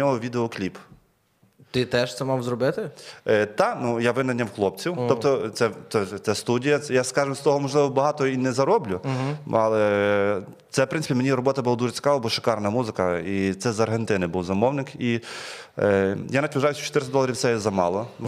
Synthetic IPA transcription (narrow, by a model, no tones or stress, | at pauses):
nʲɔɦɔʋʲid̪eɔklʲip | t̪ɪt̪ɛʃt̪sɛmɑwzrɔbɪt̪ɪt̪ɑnujaʋɪnɐnʲːɐwxlˠɔp̚t͡sʲiwt̪ɔp̚t̪ɔt̪sɛt̪ɛt̪sɛst̪udʲijɐɛjaskɑʒɪmst̪ɔɦɔmɔʒlˠɪʋɔbɐɦɑt̪ɔinɛzɐɾɔblʲʊɑlˠɛ | t̪sɛwpɾɪnɪpʲimenʲiɾɔbɔt̪ɐbʊlˠad̪uʒɪt͡sʲkɑalɐbɔʃɪ̥kɑrnɐmuzɪkɐit̪sɛzɐrɦent̪ɪnɪbuwzɐmɔwnɪki | janɐtʲʋʲʊʒɑjʊsʲt͡ʃɔt̪ɪɾɪsʲd̪ɔlˠɐɾʲiwtsɛjzɐmɑlˠɔn